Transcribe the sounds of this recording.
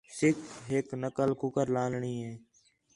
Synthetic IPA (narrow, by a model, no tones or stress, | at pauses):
sɪkʰɦɪknəkəlkʊkəɾlaːlɳiːɦeː